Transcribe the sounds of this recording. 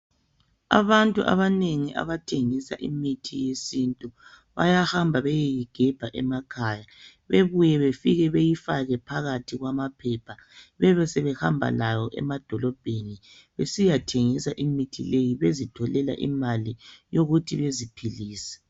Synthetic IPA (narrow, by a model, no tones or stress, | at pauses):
a̰βantʼuʔa̰βaneŋiʔa̰βatʰeŋisa̰ʔimitʰijesintʼu | βa̰jahambʱaβɛjijiɡ̥ʱɛb̥ʱaʔɛmakʰaːja | βeβujɛβefiɣɛβejifaɣɛpʰaɣatʰiɣwamapʰɛpʰaβɛβɛsɛβɛhambʱa̰lajɔʔɛ̰mad̥ʱɔlɔb̥ʱeni | βesijatʰeŋisaʔimitʰilejiβezitʰɔlɛla̰ʔḭmalijoɣutʰiβezipʰiliːsɛ̥